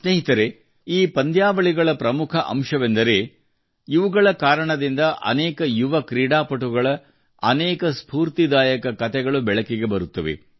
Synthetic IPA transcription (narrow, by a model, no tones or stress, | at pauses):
sneɦit̪ɐɾe | iːpɐnd̪jaːʋɐɭiɡɐɭɐpɾɐmukʰɐʔɐ̰mʂɐʋend̪ɐɾe̞ | iʋuɡɐɭɐkaːɾɐɳɐd̪ind̪ɐʔɐ̰nɛːkɐjuʋɐkɾiːɽaːpɐʈuɡɐɭɐ | ɐnɛːkɐspuːɾt̪id̪aːjɐkɐkɐt̪ɛɡɐɭubɛɭɐkiɡe̞bɐɾut̪ːɐʋe̞̰